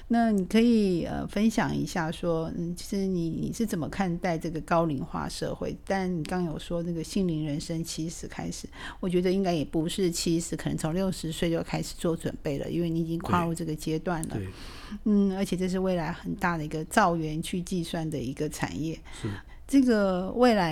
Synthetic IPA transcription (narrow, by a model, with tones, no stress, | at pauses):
na˥˩ni˨˩kʰɤ˧˥i˨˩ə̰˧fə˥nɕjɑ̰˨˩ŋḭ˧˥ɕja˥˩ʂwɔ˥n̩˥˩t͡ɕʰi˧˥ʂɻ̩˧ni˨˩nḭ˨˩ʂɻ̩˥˩t͡sə˨˩mə˦kʰa˥˧nt̪a˥˧ɪʈ͡ʂɤ˥˩ɡə˩kɑ˥ʊli˧˥ŋxwa̰˥˧ʂɤ̰˥˧xwḛ˥˩ɪt̪a˥˩nni˨˩kɑ˥ŋjo˨˩ʊʂwɔ˥nə˥˩ɡə˩ɕi˥˧ŋli˧˥ŋɻə˧˥nʂə˥ŋt͡ɕʰi˧˥ʂɻ̩˧˥kʰa̰˥ɪʂɻ̩˨˩wɔ˨˩t͡ɕɥɛ˧˥d̪ə˧i˥ŋka˥ɪjɛ˨˩pu˧˥ʂɻ̩˥˩t͡ɕʰi˧˥ʂɻ̩˧˥kʰnə˧˦ŋt͡sʰŋljo˥˩ʊʂɻ̩˧˥swe˥˧ɪt͡ɕjo˥˧˩ʊkʰa˥ɪʂɻ̩̥˨˩t͡swɔ˥˩t͡swə̰˨˩npe˥˩ɪlə̰˩ʔḭ˥nwe˥˩ɪni˧˥˨t͡ɕi˥ŋkʰwa˥˧lu˥˧ʈ͡ʂɤ˥˩ɡə˩t͡ɕjɛ˥t̪wa˥˩nlə˩ | n̩˥˩ə˞˧˥t͡ɕʰjɛ˨˩ʈ͡ʂɤ˥˧ʂ̬ɻ̩˥˧we˥˩ɪla˧˥ɪxə˨˩nt̪a˥˩d̪ə˩i˧˥ɡə˧t͡sɑ˥˩ʊɥɛ˧˥nt͡ɕʰy˥˧t͡ɕi˥˧swa˥˩nd̪ə˩i˧˥ɡə˧ʈ͡ʂʰa̰˨˩njɛ˥˩ | ʈ͡ʂɤ˥˩ɡə˩we˥˩ɪla˧˥